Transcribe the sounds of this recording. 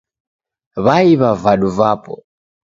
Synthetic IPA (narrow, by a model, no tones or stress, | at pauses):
βaiβavaɗuvaːpɔ̰